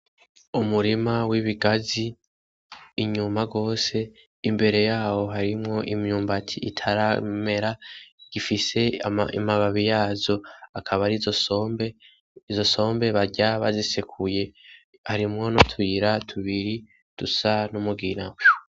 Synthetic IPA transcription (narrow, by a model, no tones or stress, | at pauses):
umuɾimawiβiɡazi | ɲumaɡo̞ːse̞ | imbe̞ɾe̞jaːwo̞ɦaɾimŋo̞ʔimɲuːmbatʰiitʰaɾame̞ɾaɡ̥ifise̞ḭmaβaβijaːzo̞akʰaβaɾizo̞sombe | izo̞so̞ːmbe̞βaɟaβazisekʰuje̞ | haɾimŋo̞notʰwiɾatʰuβiɾi | d̥usanumuɡinawe